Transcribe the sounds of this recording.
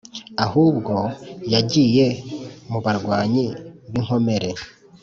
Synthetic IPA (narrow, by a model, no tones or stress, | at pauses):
ahuːbɡo̞jaɟiːje̞muβaɾɡwaːɲiβiŋ̥ho̞me̞ɾe̞